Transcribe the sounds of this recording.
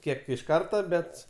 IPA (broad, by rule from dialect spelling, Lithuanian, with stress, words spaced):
ˈkʲiɛk ɪʃ ˈkɐrtɐ ˈbʲɛt